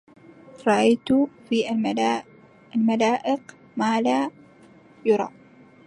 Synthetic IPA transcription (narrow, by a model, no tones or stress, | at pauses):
ɾˤɑʔajt̪ufiʔa | almalaːʔɪq | maːla | jʊɾˤɑ̰